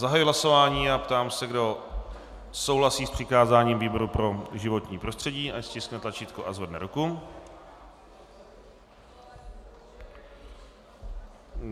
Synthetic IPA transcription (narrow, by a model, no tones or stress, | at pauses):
zaɦajuɦlaso̞vaːɲiːapt̪aːmsɛɡdo̞ | so̞wɦlasiːspr̝̥ɪkaːzaːɲiːmviːboɾupɾo̞ʒɪvo̞t̪ɲiːpɾo̞st̪r̥ɛɟiːʔascɪsknɛt̪lat͡ʃiːt̪kuʔazvɛdnɛ̰ɾuku